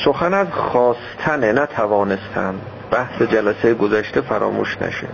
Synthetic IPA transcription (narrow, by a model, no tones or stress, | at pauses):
soxænæzxɒːst̪ʰænenæt̪ʰævɒːnest̪ʰæ̰m | bæhsed͡ʒælæsejeɡozæʃt̪ʰefæɾɒ̰ːmṵːʃnæ̰ʃḛ